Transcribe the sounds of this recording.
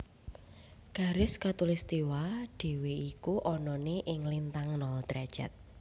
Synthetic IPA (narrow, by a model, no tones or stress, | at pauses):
ɡ̥a̤ɾɪskat̪ulist̪iwaɖ̥e̤weikuʔɔnɔneʔɪŋlint̪aŋnɔlt̪ɾad̥ʒ̥a̰t̪̚